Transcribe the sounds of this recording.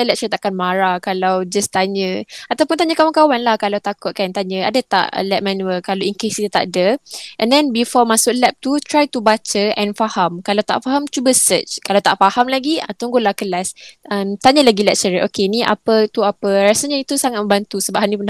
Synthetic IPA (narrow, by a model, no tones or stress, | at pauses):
alɛk̚t͡ʃəɾit̪aʔkanmãɾakalawd͡ʒast̪aɲə̃at̪awpʊnt̪aɲə̃kawankawanlahkalawt̪akʊt̪̚kant̪aɲə̃adat̪a̰ʔlɛp̚mãnuəkalawiŋkesit̪ut̪a̰ʔdəʔɛ̃ndɛ̃nbifɔmasʊklɛp̚t̪ut̪ɾajt̪ubat͡ʃəɛ̃nfahamkalawt̪a̰ʔfaɦamt͡ʃubəsət͡ʃkalawt̪aʔfahamlaɡiat̪uŋɡolakəlasəmt̪aɲəlaɡilɛk̚t͡ʃəɾiʔokeniʔa̰pət̪uapəɾasaɲãit̪usaŋat̪̚mə̃mbant̪usəbaʔɦanĩpun